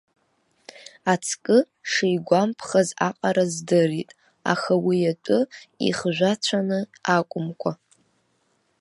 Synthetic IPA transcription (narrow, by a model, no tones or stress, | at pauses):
at͡sʰkʼɨ | ʂejɡʷampʰχaza̰qʼaɾazdɨritʼ | a̰xawijatʷʼʊḭχʒᶣʷat͡ɕʷʰanɨakʷʼʊmkʷʰa